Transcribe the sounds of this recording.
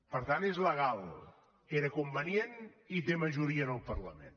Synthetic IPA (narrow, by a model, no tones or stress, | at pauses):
pəɾt̪anezləɣalˠ | eɾəkumbənienit̪eməʒuɾiənəlˠpərləmḛ̃n